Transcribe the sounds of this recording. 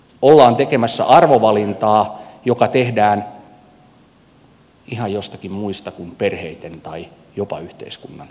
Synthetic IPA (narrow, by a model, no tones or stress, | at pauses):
olːɑːnt̪ekemæsːæ̰ʔɑrʋoʋɑlint̪ɑːjokɑt̪ehdæːn | ihɑjjost̪ɑkimmuist̪ɑkumperheit̪ent̪ɑi | jopɑ̰yht̪ḛiskunːɑn